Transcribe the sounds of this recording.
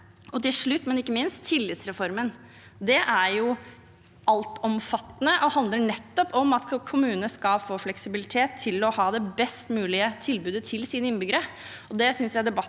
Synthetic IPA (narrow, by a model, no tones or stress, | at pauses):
ɔt̪ɪlʂɭʉt̪ːmɛnɪkːəmɪnst̪ʰːɪlːɪt̪sɾɛfɔɾmən | d̪ɛʔæɾjʊ | ɑlt̪ɔmfɑt̪ːənəʔɔhɑnd̪ləɳɛt̪ːɔpʰɔmɑt̪kʰʊmʉːnənəskɑfoːflɛksɪbɪlɪt̪ʰeːt̪ʰːɪlɔhɑːd̪ɛbɛst̪mʉːlɪət̪ʰɪlbʉːd̪ət̪ʰɪlsiːnəɪnbʏɡəɾə | ɔd̪ɛsʏnsjæɪd̪ɛbɑ